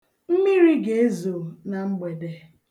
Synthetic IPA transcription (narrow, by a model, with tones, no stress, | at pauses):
m̩˦mi˦ɾi˦ɡe˨e˦zo˨na˨ŋ͡m̩˦ɡ͡be˨de˨